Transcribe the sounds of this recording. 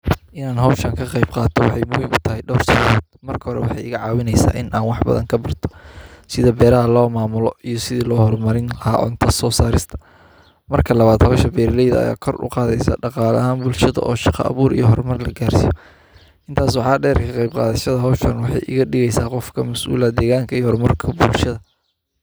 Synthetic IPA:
ʔɪnaːnɦɔwʃɐŋkʰɐqɑjbqɑːt̪ʰɔwɑħɑjmʊwɪnʊt̪ʰɐɦɛjɖɔːrsɔːɔːd̪̥̚mɐrkʰɐhɔɾɛ̰wɑħɑjɪɣɐʕɑːwɪnɛjsa̰ːʔɪnʔaːnwɑħbɐ̰ðɐ̰ŋkʰɐbɐrt̪ʰɔ̥sɪðɐbɛːɾɐɦɐlɔːmaːmʊlɔijɞsɪðiːlɔːhɔrmɐɾɪnlɐɦa̰ːʔɔ̰nt̪ʰɐsɔːsaːɾɪst̪ʰɐ̥ | mɐrkʰɐlɐβaːd̪hɔːʃɐbɛːɾlɛjðɐɐ̰ja̰ːkʰɔrʊ̰qɑːðɛjsa̰ːɖɑqɑːlɐ̰ɦaːnbʊlʃɐðɐ̰ʔɔːʃɑqɐ̰ɐ̰βuːɾḭjɔɦɔrmɐrlɐɡaːrsijɔ | ʔɪnt̪ʰaːs̬wɑħɑːɖɛːrkʰɐqɑjb̚qɑ̰ːðɐʃɐðɐɦɔːʃʰɐnwɑħɑ̰jʔɪ̰ɣɐɖɪɣɛjsaːqɔfkʰɐmɐsʔṵːlɐd̪ɛːɣaːŋkʰɐijhɔrmɐrkʰɐbʊlʃɐðɐ

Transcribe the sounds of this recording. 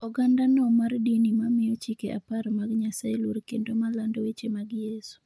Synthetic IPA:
ɔɡandanɔmardinimamɪjɔt͡ʃikeʔa̰paɾmaɡɲasaeluɾkendomalandowet͡ʃemaɡjesu̥

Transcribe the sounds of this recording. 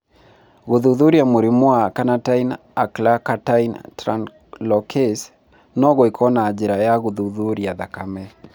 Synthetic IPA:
ɣuðuðuɾijamoɾimwakanatain | aklakataintɾan | lɔkʰes | nɔɣɔikʰɔnaːd͡ʒiɾajaɣuðuðuɾiaðakamɛ

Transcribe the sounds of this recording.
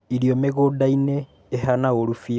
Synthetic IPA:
iɾiomeɣodaineː | ɦanaoɾufi

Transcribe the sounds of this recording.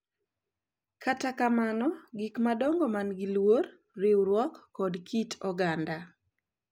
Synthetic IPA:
katakamanɔɡɪkmadɔŋɡomanɡɪlwor | rewɾwɔkːɔdkʰitɔɡanda

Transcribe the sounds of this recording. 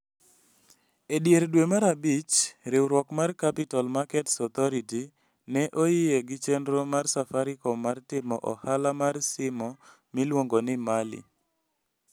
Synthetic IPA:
edjeɾdwemaɾabit͡ʃɾewɾwɔkmarkapitalmakɛtsɔt̪ɔɾiti | nɛʔojɪeɡɪt͡ʃendɾomarsafaɾɪkɔmartɪmɔʔɔ̰halamarsɪmɔ | milwoŋɡonɪmalḭ

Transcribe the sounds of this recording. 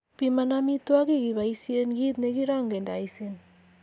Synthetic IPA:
pimanamit̪uakiɣiβajsieŋɡit̪neɣiɾaoŋɡendajsen

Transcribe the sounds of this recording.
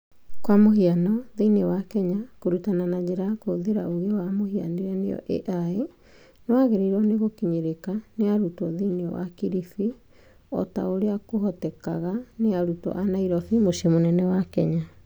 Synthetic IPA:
kwamoɦianɔðeinewakɛɲakoɾutananad͡ʑeɾaakoðeɾaoɣewamohia̰niɾɛneɔ̰ʔḛʔae | nɔaɣeɾeiɾɔneɣokiɲeɾekaneaɾutɔðenḛwa̰kiɾifi | ɔ̰ta̰oɾeakoɦɔtɛkaɣaneaɾutɔ̰ʔanaiɾɔfimosemonɛnɛwakɛɲa

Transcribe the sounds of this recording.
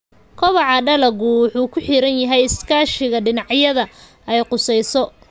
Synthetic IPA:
kʰɔβɑʕɑɖɐlɐɣʊħuːkʰʊħɪɾɐnjɐɦɛjɪskʰaːʃɪɣɐɖɪnɑʕjɐðɐ | ɛjqʊsɛjsɔ

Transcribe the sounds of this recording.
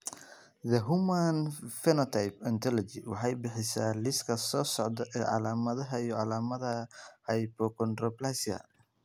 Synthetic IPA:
ðɐɦumanfɛnɔt̪ʰajpɛnt̪ʰɔlɔd͡ʒɪwɑ̰ħɑjbɪħɪsaːlɪskʰɐsɔːsɔʕd̪ɐʔɛːʕɑ̰laːmɐðɐɦɐijɔʕɑlaːmɐðɐhɐjpɔkʰɔnd̪rɔplasɐ̰

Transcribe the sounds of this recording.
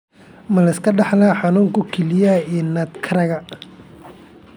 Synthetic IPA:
mɐlɐɪskʰɐɖɑħlaħɑnuːŋkʰʊkʰɛlɪjaɛːnaːt̪kʰɐɾɐɣɐ

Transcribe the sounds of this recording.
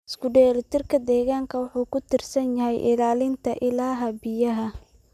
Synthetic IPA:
ɪskʊɖɛːlɪt̪ʰɪrkʰɐd̪ɛːɣaːŋkʰɐwʊħuːkʰʊt̪ʰɪrsɐnjɐɦɛjʔɪ̰laːlɪnt̪ʰɐʔɪlaːɦɐbɪjɐɦɐ

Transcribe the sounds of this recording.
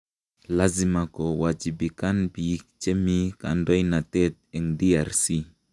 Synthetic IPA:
lazimakɔwad͡ʒibikanbijik̚t͡ʃemika̰ndɔjnat̪ɛt̪̚ɛŋdiaɾsi

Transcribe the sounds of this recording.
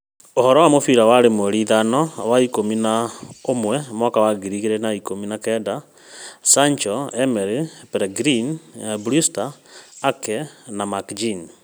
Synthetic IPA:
ohɔɾɔwamofiɾawaɾemwɛɾiðanɔwaikominaomwɛmwakawaɡiɾiɣiɾenaikominakɛda | saɲt͡ʃɔɛmɛɾipɛɾɛɡɾinbɾustaːkɛnamakd͡ʒin

